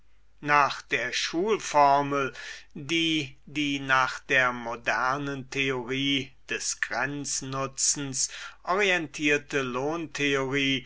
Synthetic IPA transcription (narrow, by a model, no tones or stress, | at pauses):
naːχd̥eːɐʃuːlfɔɐməldiːdiːnaːχd̥eːɐmodɛɐnəntʰeoʁiːd̥ɛsɡ̥ʁɛnt͡snʊt͡sn̩sʔɔʁiɛntʰiːɐtəloːntʰeoʁiː